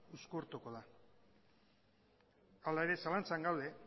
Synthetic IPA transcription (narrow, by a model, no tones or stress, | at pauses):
uskoɾt̪uko̞ð̞a | alae̞ɾe̞salant͡saŋɡawðe̞